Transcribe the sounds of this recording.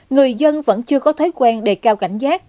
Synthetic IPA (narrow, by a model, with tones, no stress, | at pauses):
ŋɨ˨˩əjzə˧nvə̰˧˥nt͡ɕɨ˧əkɔ˨˦t̪ʰɔ˨˦jkwaː˧nɗe˧˩kaː˧wka˧˩jŋ̟zaː˦˥k̚